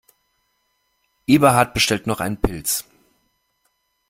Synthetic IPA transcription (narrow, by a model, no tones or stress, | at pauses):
ʔiːbɐɦaːt̚b̥əʃtɛltnɔχʔaɪnənpʰɪlt͡s